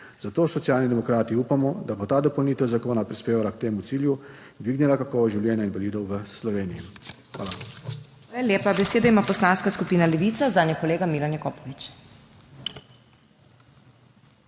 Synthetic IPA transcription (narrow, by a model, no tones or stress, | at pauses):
zat̪oːsɔt̪sjaːlnid̪ɛmɔkɾaːt̪iupamɔd̪abot̪aːd̪ɔpɔwniːt̪ɛwzakoːnapɾispeːʋalakt̪eːmut̪siːlju | d̪ʋiːɡnɛlakakɔːʋɔʒiwljɛːnjainʋaliːd̪ɔwʋəslɔʋeːnijixa̰ːla | alaljeːpabɛseːd̪aimapɔslanskaskupiːnalɛʋiːt̪sazaːnjɛkɔleːɡamilanjɛkɔːpɔʋit͡ʃ